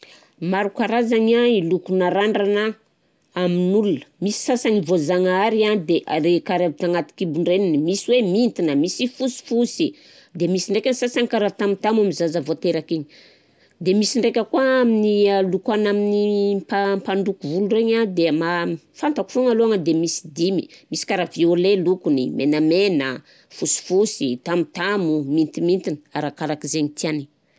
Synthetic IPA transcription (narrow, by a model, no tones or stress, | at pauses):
maɾukaɾazaɲailukunaɾaɳɖ͡ʐana | aminulunə̥misi̥sasaŋivozaŋaaɾiad̪eʔaɾekaɾabit̪aŋat̪i̥kibuɳɖ͡ʐeninimisiwemint̪inəmisifusi̥fusi | d̪emisiɳɖ͡ʐekʲanisasaŋikaɾat̪amit̪amamizazəvot̪eɾakeɲi̥ | d̪emisiɳɖ͡ʐekʲəkuaaminialukanaminimpampaɳɖ͡ʐukuvulureɲad̪ema | fant̪aku̥foŋaloaŋəd̪emisi̥d̪imimisi̥kaɾaviolelukunimʔenəmenə̰ | fusi̥fusit̪amit̪amumint̪imint̪inəaɾakaɾakizeɲit̪iani